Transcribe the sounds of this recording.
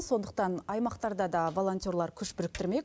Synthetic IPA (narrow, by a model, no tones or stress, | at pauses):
so̞nd̪əq̚t̪ɑnɑjmɑqt̪ɑɾd̪ɑd̪ɑvo̞lˠo̞nt̪ʲjoɾlˠɑɾkʲʰʏʃbʏɾɪk̚t̪ɪɾme̞k